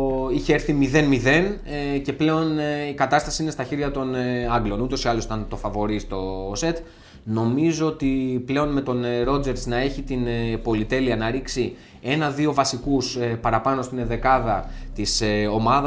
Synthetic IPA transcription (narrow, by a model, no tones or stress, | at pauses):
içe̞eɾθimiðe̞nmiðe̞nce̞ple̞o̞nikɐt̪ɐst̪ɐsiine̞st̪ɐçiɾʝɐt̪o̞nɐɡlo̞nut̪o̞siɐlosi̥t̪ɐnt̪o̞fɐvo̞ɾist̪o̞se̞t̪ | no̞mizo̞ot̪iple̞o̞nme̞t̪o̞nɾo̞d͡ze̞ɾznɐe̞çit̪inpo̞lit̪e̞liɐnɐɾiksi | e̞nɐðio̞vɐsikuspɐɾɐpɐno̞st̪ineðe̞kɐðɐt̪iseo̞mɐðɐ